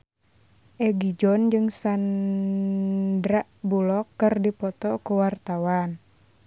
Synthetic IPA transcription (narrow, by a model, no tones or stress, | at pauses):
ʔɛɡid͡ʒɔnd͡ʒɨŋsan | dɾaʔbulɔkːɨrdipɔt̪ɔkuwart̪awan